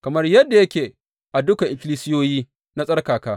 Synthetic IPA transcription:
kɐ˨mɐ˦rjɐ˦dːa˨jɐ˦kʲeː˨ | ʔa˨dʊ˦ka˨ʔɪ˨kʲɪ˦liː˦sɪ˦joː˦jiː˦ | na˦sʼɐ˦rkaː˨kaː˦

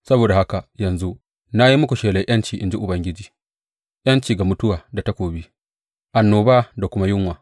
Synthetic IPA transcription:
sɐ˦boː˨da˨ha˦ka˨jɐ˨nzu˦ | na˦ji˦mʊ˦kʷu˨ʃeː˨le˨j̰ʔɐ˦nt͡ʃiː˨ʔɪ˨nd͡ʒi˦ʔʊ˨bɐ˦ŋɡʲɪ˦d͡ʒiː˨ | ʔjɐ˦nt͡ʃiː˨ɡa˨mʊ˦tʊ˦waː˨da˨ta˦kʷoː˨bi˦ | ʔa˨nːoː˨baː˦da˨kʷʊ˦ma˦jʊ˦ŋwaː˨

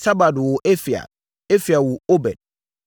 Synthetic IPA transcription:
sa˦ba˨dwʊ˨ʔɛ˦fi˨a̰˨ | e˦fi˨a˨wʊ˨o˦bɛ̰˨d̥̚

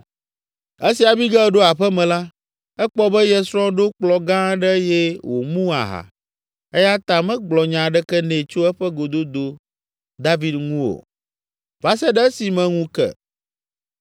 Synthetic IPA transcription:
e˦si˨a˨bi˦ɡɛ˦ɖo˦a˨ɸɛ˦mɛ̃˨la˦ | ɛ˦k͡pɔ˦bɛ˦jɛ˦sɾɔ̃˦ɖo˦k͡plɔ˨ɡã˦ɖɛ˦jɛ˦wo̰˨mũ˦a̰˨ɦa̰˨ | ɛ˦ja˦t̪ã˨mɛ̃˦ɡ͡blɔ˨ɲã˨ɖɛ˦kɛ˦nɛ̃˨t͡ʃo˦ɛ˦ɸɛ˦ɡo˨d̪o˦d̪o˦ | d̪a˦vi˨d̪ŋũ˦o̰˨ | va˦sɛ˦ɖɛ˦si˨mɛ̃˨ŋũ˦kɛ̰˨

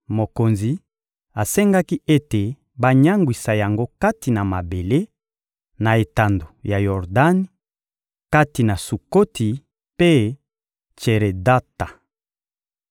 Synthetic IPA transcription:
mo˨ko˨nzi˨ | a˨sɛ˦ŋɡa˦ki˦ʔe˦te˨ | ba˦ɲa˦ŋɡwi˨sa˨ja˨ŋɡo˦ka˦ti˨na˨ma˨be˨le˦ | na˨e˨ta˨ndo˨ja˨jɔ˨ʁda˦ni˦ | ka˦ti˨na˨su˨ko˦tʰi˨ | pe˦ | t͡ʃe˨ʁe˨da˦ta˨

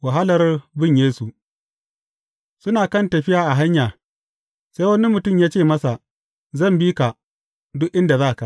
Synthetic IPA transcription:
wa˨ɦa˦lɐ˨rbɪ˦ɲjeː˦su˨ | sʊ˦naː˨kɐ˦ntɐ˨ɸɪ˦jaː˨ʔa˨ɦa˦ɲjaː˨ | se˦wɐ˦ni˦mʊ˨tʊ˦˨mjaː˦t͡ʃeː˦˨mɐ˦sa˨ | zɐ˦˨mbiː˦ka˨ | dʊ˦ʔʔɪ˦nda˨zaː˦˨ka˨ʔ

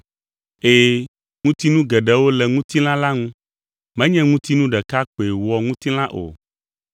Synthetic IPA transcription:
e˦ | ŋũ˦t̪i˦nũ˦ɡɛ˨ɖɛ˦wo˦lɛ˨ŋũ˦t̪i˦l̃ã˦la˦ŋũ˦ | mɛ̃˦ɲɛ̃˦ŋũ˦t̪i˦nũ˦ɖɛ˨ka˦k͡po˨e˨wɔ˨ŋũ˦t̪i˦l̃ã˦ʔo̰˨

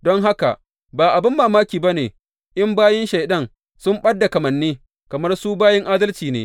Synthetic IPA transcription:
dɔ˦ŋɦa˦ka̰˨ | baː˨ʔa˨bɪ˦mːaː˨maː˦kʲiː˨ba˦neː˨ | ʔɪ˦mbaː˦jɛ˦nʃa˨jɗɐ˦ŋ | sʊ˦mɓɐ˦dːa˨kɐ˨mɐ˨nːiː˦ | kɐ˨mɐ˦rsu˦baː˦jɪ˦ŋʔaː˦dɐ˦lt͡ʃiː˨nḛː˦

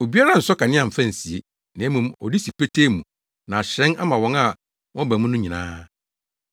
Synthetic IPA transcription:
o˨bi˦a˦ɾa˦˨n̩˨sɔ˦ka˨nɪ̃˦a˨m̩˨fæ̃˦n̩˨si˨ḛ˦ | nɪ̃˨æ˦mũ˨mɔ̰˨di˦si˨pʰe˦tʰe˦mũ˨ | nã˨a˨ɕɛ̃˦na˦mã˨wɔ̃˦ŋa˨ | wɔ̃˦bæ˨mũ˦nʊ̃˦ɲĩ˨nã̰ː˦

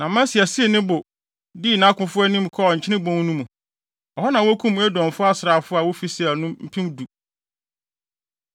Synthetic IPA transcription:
nã˨mæ̃˦si˨ɛ˨si˦e˨nɪ̃˦bʊ˨ | di˦˨nã˦kʰʊ̃˦fʊ˦ɛ˦nĩ˦m˨kʰɔ˦ɔ˨ɲ̩˨t͡ɕʰɪ˦nɪ̃˦bɔ̃˦ŋ˦nũ˦mũ˨ | ɔ˨hɔ˦nã˨wʊ˦kʰũ˦mːũ˦æ˦dɔ̃˨n˨fʊ˦a˦sɾa˨fʊ˦a˨wʊ˦fi˦sɛ˦æ˨nʊ̃˦m̩˦pʰĩ˦mdu˨

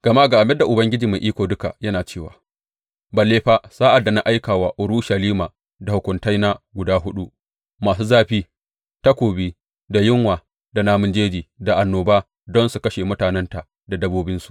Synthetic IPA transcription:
ɡ̥ɐ˨ma˦ɡa˨ʔa˨mɛ˦dːa˨ʔʊ˨bɐ˦ŋɡʲɪ˦d͡ʒiː˨ma˨ʔiː˦kʷoː˨dʊ˦ka̰˨jɐ˦naː˨t͡ʃeː˦˨waː˨ | ba˨leː˦ɸa˦saː˦ʔa˨dːa˨na˦ʔa˦jkaː˨waː˦ʔʊ˨ɾuː˦ʃa˨liː˦maː˨ | da˨hʊ˨kʷʊ˨nta˦jna˦ɡʷʊ˨daː˦ɦʊ˦ɗu˦ʔ | maː˨s̬uː˦zaː˦ɸiː˦ | ta˦kʷoː˨biː˦ | da˨jɪ˦ŋwaː˨ | da˨naː˦mʊ˦nd͡ʒeː˦d͡ʒiː˨da˨ʔa˨nːoː˨baː˦ | dɔ˦nsu˨kɐ˦ʃeː˨mʊ˦taː˨nɛ˦nta˨ | da˨dɐ˦boː˦bɪ˦nsu̥˨ʔ

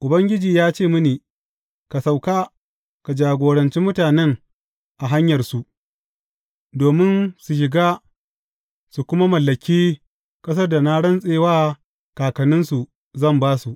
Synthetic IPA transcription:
ʔʊ˨bɐ˦ŋɡʲɪ˦d͡ʒiː˨jaː˦t͡ʃeː˦˨mʊ˦niː˨ | ka˨sa˨wkaː˦ | ka˨d͡ʒaː˨ɡʷoː˨ɽɐ˨nt͡ʃi˦mʊ˦taː˨nɛ˦ŋ | ʔa˨ɦa˦ɲjɐ˨rsu˨ʔ | doː˨mɪ˦nsu˨ʃ̬ɪ˨ɡaː˦ | su˨kʷʊ˦ma˦mɐ˨lːɐ˨kʲiː˦ | kʼɐ˦s̬ɐ˦rda˨na˦ɽɐ˦nsʼeː˦waː˦ | kaː˨kɐ˨nɪ˦nsu˨ | zɐ˦˨mbaː˦su˨ʔ

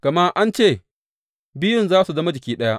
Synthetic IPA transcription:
kɐ˨ma˦ʔa˦nt͡ʃeː˦˨ | bɪ˦jʊ˨nzaː˦su˨zɐ˦ma˦d͡ʒɪ˨kʲiː˦ɗɐ˦ja˦

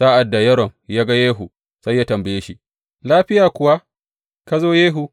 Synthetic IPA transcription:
saː˦ʔa˨dːa˨jɐ˦ɾɔ˨ŋjaː˦ɡa˦jeː˦ɦu˨ | sɐ˦jːaː˦tɐ˨mbɐ˨jeː˦ʃi˦ʔ | laː˦ɸɪ˦jaː˨kʷʊ˨wa˦ | ka˦zoː˦jeː˦ɦu˨

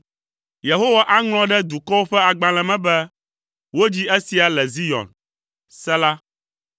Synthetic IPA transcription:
je˨ɦo˦wa˦ʔa˦ŋl̃ɔ̃˦ɖɛ˦d̪u˨kɔ˦wo˦ɸɛ˦a˨ɡ͡bã˨lɛ̃˨mɛ̃˦bɛ˦ | wo˦d͡ʑi˦e˦si˨a˨lɛ˨zi˦jɔ̰̃˨n | sɛ˦la˦

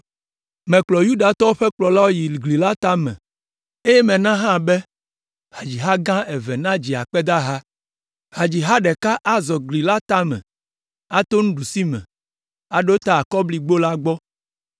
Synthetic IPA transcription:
mɛ̃˨k͡plɔ˨ju˦ɖa˨t̪ɔ˦wo˦ɸɛ˦k͡plɔ˨la˦wo˦ji˨ɡli˨la˦t̪a˦mɛ̰̃˨ | e˦jɛ˦mɛ̃˨nã˦ɦã˦˨bɛ˦ | ha˨d͡ʑi˨ɦa˦ɡã˦ɛ˨vɛ˨nã˦d͡ʑi˨a̰˨k͡pɛ˦d̪a˦ɦa˦ | ha˨d͡ʑi˨ɦa˦ɖɛ˨ka˦ʔa˦zɔ˨ɡli˨la˦t̪a˦mɛ̰̃˨ | a˦t̪o˦ŋũ˦ɖu˨si˦mɛ̰̃˨ | a˨ɖo˦t̪a˦a˨kɔ˦bli˦ɡ͡bo˦la˦ɡ͡bɔ˦

